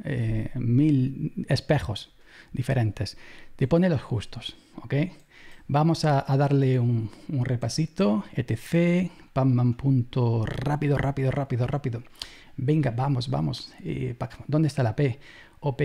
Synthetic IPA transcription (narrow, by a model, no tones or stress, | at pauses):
emilespexos | d̪ifeɾʔẽnt̪est̪eponelo̞sxust̪os | okej | bamosaːðaɾleuŋuŋrepasit̪oet̪eθepamːãmpunt̪orapiðorʔapiðorʔapiðorʔapiðo | beŋɡabamosba̰mosḛpakd̪ond̪est̪alape | ope